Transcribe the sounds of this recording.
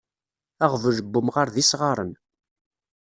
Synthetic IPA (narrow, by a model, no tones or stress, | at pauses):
æʁvəʒəbːʊmʁaɾðisʁɑɾˤən